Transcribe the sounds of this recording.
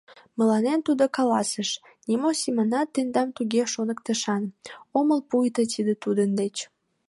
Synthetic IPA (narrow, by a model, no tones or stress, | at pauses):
məlɑnent̪ud̪okɑlɑsəʃ | nʲimosʲimɑnɑt̪ːend̪ɑmt̪uɣeʃonəkt̪əʃɑnoməlpujt̪ət̪ʰid̪ət̪ud̪ənd̪et͡ɕ